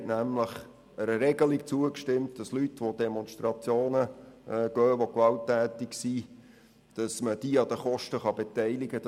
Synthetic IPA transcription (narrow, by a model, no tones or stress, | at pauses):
tnæmləχ | əɾəɾɛɡəlikt͡suəkʃtɪmtd̥ɑslytʋod̪ɛmɔnʃtɾɑt͡sjoːnəɡ̥œːʋokʋɑltːæːt̪ɪksi | d̥ɑsməd̥iəɑd̥̪əχɔʃtəχɑb̥et̪ɛɪliɡə